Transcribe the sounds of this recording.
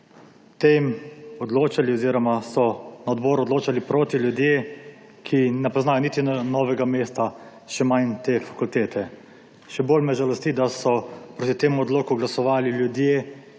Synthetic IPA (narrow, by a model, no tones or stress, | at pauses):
t̪emɔd̪loːt͡ʃaliɔziːɾɔmasɔnaɔd̪bɔːɾuɔd̪loːt͡ʃalipɾoːt̪iljud̪je | kʰinɛpɔznaːjɔnit̪inɔːʋɛɡameːst̪a | ʃɛmant̪efḁkult̪eːt̪ʰɛ | ʃɛboːlmɛʒalɔst̪id̪asɔpɾoːt̪it̪eːmuɔd̪loːkuɡlasɔʋaːliljud̪je